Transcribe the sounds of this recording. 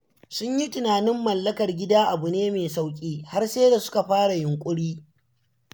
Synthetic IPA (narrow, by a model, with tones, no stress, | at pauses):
sʊ˦ɲji˦tɪ˨naː˨nɪ˦mːɐ˨lːɐ˦kɐ˨rɡʲɪ˦daː˦ʔa˨bʊ˨neː˦meː˨sa˦wkʲʼiː˦ha˦rseː˦da˨sʊ̥˦ka˨ɸaː˦ɽa˨jʊ˨ŋkʷʼʊ˦ɽiː˦